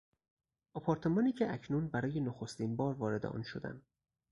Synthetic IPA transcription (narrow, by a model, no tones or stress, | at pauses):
ɒpʰɒːɾt̪ʰe̞mɒːniːcʰeʔæcʰnuːnbæɾɒːje̞noxost̪iːnbɒːɾvɒːɾe̞d̪ḛʔɒ̰ːnʃod̪æ̰nd̪